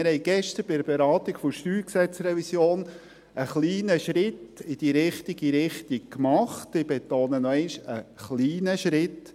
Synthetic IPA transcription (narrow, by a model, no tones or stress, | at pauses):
ɪɾhɛɪɡ̥ɛʃtəɾbɪdəɾbeɾɑːt̪iɡ̥fʊʃtyːksɛt͡srɛvisjoːn | əχliːnəʃɾɪtɪd̥iɾɪχtiɡiɾɪχtik̚kmɑχt̪ɪb̥etoːnənɔɛɪnʃəχliːnəʃɾɪt